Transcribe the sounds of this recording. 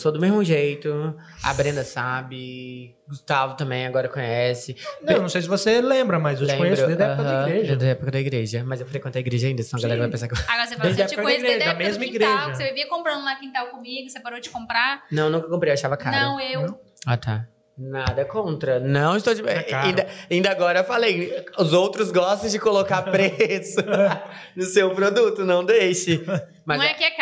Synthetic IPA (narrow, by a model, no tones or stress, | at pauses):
sod̪ʊmezmʊʒejt̪ʊ | a̰bɾẽnd̪ɐsabɪ | ɡust̪avʊt̪ɐ̃mbẽj̃aɡɔɾɐkõɲɛsɪnɐw̃nɐ̃w̃sejs̬ɪvoselẽmbɾɐmɐzewlɪẽkõɲesɾʊd̪ed̪ɐɛpkɐɐ̃iɡɾeʒɐd̪ɐɛpʊkɐd̪ɐiɡɾeʒɐmɐzewfɾekwẽt̪ejiɡɾeʒɐaĩnd̪ɐsnɐ̃w̃ɐɡalɛɾɐvajpẽsaɾkaɡɔɾɐsefdfd̪ɐɛpkɐ̃ɐɡɾeʒmezmɐĩɡɾeʒɐseviviɐkõmpɾɐ̃d̪ʊlakĩnt̪awkõmiɡʊsepaɾod͡ʒɪ̥kõmpɾanɐ̃w̃nũkɐkõpɾejewaʃavɐka̰nɾɐɐ̃w̃ew | at̪ʰa̰ | nad̪ɐkõnt̪ɾɐnɐ̃w̃ɪst̪owd͡ʒiaĩnd̪ɐaĩnd̪ɐaɡɔɾɐewfalejʊzowt̪ɾʊzɡɔst̪ɐ̃w̃d͡ʒɪkolokaɾpɾesʊ | nʊsewpɾod̪ut̪ʊnɐ̃w̃d̪ejʃɪ | mɐ̃ɛkiɐk